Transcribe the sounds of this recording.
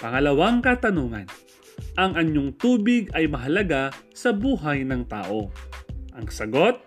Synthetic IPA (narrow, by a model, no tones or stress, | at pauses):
pɐŋɐlɐwaŋkɐt̪ɐnuːŋɐ̰n | ʔɐŋʔɐɲːoŋt̪uːbɪɡɐjmɐɦɐlɐɡasɐbuːɦɐjnɐŋt̪a̰ːʔo̞ʔɐŋsɐɡot̪̚